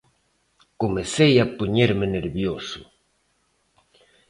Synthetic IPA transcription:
komesejapuɲeɾmeneɾβjosʊ

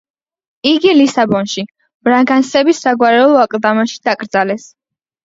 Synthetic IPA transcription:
iɡilisabɔnʃi | b̥ɾaŋɡansɛbisːaɡwaɾɛlˠɔakʼlˠd̪amaʃi̥d̪̥aɡʼɾd̪zalɛs

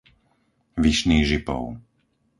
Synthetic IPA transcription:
ʋiʃniːɣʒipɔ̰ʊ

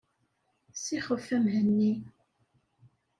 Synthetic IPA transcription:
siχəfːæmɦənːi

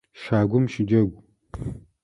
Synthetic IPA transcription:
ʃaːɡʷʊmʃɪd͡ʒɐɡʷ

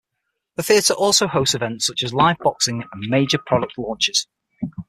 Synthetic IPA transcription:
ðəθiətʰəɹʔɔˑlˠsoʊhoʊstsɪvɛ̃ntsʊt͡ʃəzlaɪvbɒksɪ̃ŋə̃nmeɪd͡ʒəpʰɹ̥ɒɾək̚tʰˡlɔ̃ːˑnt͡ʃɪz̥

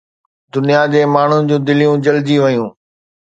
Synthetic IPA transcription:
d̪ʊnijad͡ʑeːmaːɳ̤ud͡ʑũːd̪ɪlijũd͡ʑɐld͡ʑiʋɐjũː

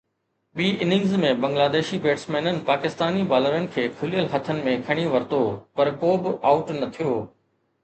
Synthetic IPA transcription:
ɓiːʔɪnɪ̃ŋɡzmẽbɐ̃ŋɡlaːd̪eːʃibeːʈsmeːnənɪ̆paːkɪst̪aːnibaːləɾənɪ̆kʰeːkʰʊlijəlɦɐt̪ʰənɪ̆mẽkʰɐɽ̃iʋɐɾt̪opɐɾkoːbɪaːʊʈnɐt̪ʰijoː

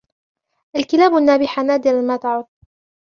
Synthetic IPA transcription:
ʔalkɪlaːbanːaːbɪħanaːd̪ɪɾamaːt̪aʕʊd̪̚ˤ

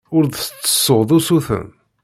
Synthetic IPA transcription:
ʊɾðət͡sːə̥sːoðˤusuθə̰n

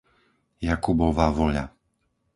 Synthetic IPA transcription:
jakubɔʋaːʋɔʎa̰

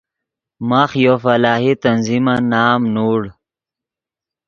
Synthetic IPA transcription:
maːxjoːfɐlaːɦit̪ɐnzimanaːmnuːɽ

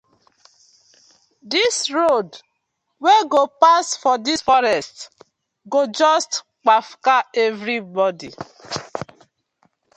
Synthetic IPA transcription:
disɹod | weɡopasfɔdisfɔɾɛst | ɡod͡ʒɔst | k͡pafkaɛvɾibɔdi

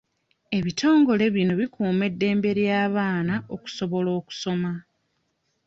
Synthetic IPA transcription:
e̞βitʰo̞ːŋɡo̞le̞βino̞βikuːme̞dːe̞ːmbe̞ɾjaːβaːnao̞ku̥so̞βo̞lo̞ːku̥so̞ma

